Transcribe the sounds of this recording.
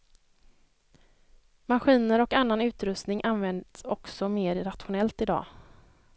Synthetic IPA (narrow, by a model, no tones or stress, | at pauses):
maɧiːnəɾɔkanːanʉ̟ːt̪ɾɵst̪nɪŋʔanvɛnd̪sɔksɔmeːɾɾat̪ɧʊnɛlt̪ɪd̪ɑ̰ː